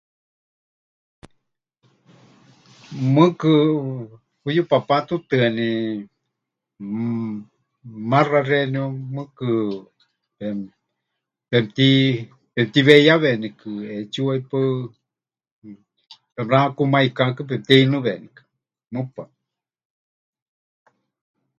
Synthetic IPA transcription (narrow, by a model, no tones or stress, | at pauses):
mɨkɨ | pujupapat̪ut̪ɨani | mãrareniomɨkɨ | e | pemt̪i | pemt̪iβeiaβenikɨet͡ʃuaipɨ | pemɾãkumaikakɨp̬emt̪iinɨ̃βenikɨ̥ | mɨpa